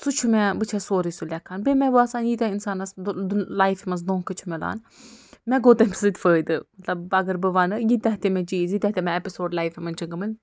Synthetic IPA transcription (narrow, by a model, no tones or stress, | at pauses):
sut͡ʃʰumɛbɨt͡ʃʰɛsoːɾisulʲɛkʰːaːnbemʲɛbɨaːsaːnjit̪ʲɛinsaːnɐslaːjfimɐns̬d̪õːkɨt͡ʃʰumʲɛla̰ːn | mɛɡoːt̪ɐmʲpʰʲi̥zɨt̪ʲfəːd̪ɨmɐt̪lɐbɐɡɐɾbɨʋanɨjit̪ʲɛɦt̪emɛ̃d͡ʒiːzjit̪ʲɛɦt̪emɛ̃ɛpisoːɖlaːjfimɐnt͡ʃʰiɡɐmɨlʲ